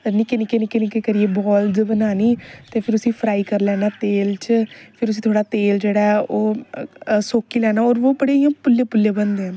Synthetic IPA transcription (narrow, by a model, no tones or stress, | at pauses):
nikeːnɪkeːnɪkeːnikekəɾieːbɔːld͡ʒbənaːniːt̪eːpʰɪɾʊsĩːpʰɾaːiːkəɾlɛːnaːt̪eːlt͡ʃpʰɪɾʊs̬ĩːt̪ʰoːɽaːt̪eːld͡ʒeːɽaːɛʔoː | soːkiːlɛːnaːɔːɾʋoːpəɽeijãːpʊlːeːpʊlːeːbənd̪ẽ